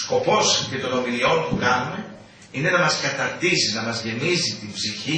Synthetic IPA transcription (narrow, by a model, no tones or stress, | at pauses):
sko̞po̞scet̪o̞no̞milio̞npukɐnume̞ | ine̞nɐmɐskɐt̪ɐɾt̪isinɐmɐzʝe̞mizit̪imbziçi